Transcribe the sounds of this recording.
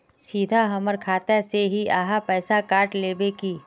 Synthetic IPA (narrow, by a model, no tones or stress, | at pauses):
siːd̪ʱaɦɐməɾkʰaːt̪aseɦiaːɦapɛːsakaːɾʈleːbekiː